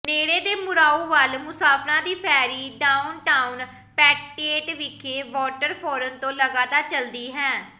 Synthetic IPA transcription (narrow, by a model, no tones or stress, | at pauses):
neːɽeːd̪eːmʊɾaːuːʋəlmʊsaːpʰɾãːd̪iːpʰɛːɾiːɖaːʊnʈaːun | pɛːkʈeːʈʋɪkʰːeːʋɔːʈəɾpʰɔːɾənt̪õːləɡaːt̪aːɾt͡ʃəld̪iːɦɛ̃ː